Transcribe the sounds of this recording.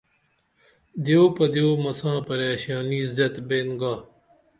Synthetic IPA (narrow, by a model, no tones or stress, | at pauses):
d̪joːpɐd̪joːmɐsãːpɐɾeːɕaːniːzɐt̪beːnɡaː